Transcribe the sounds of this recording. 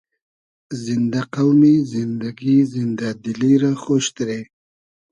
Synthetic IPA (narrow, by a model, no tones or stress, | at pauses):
zind̪aqawmizind̪aɡizind̪ad̪iliɾaxoʃt̪ɾe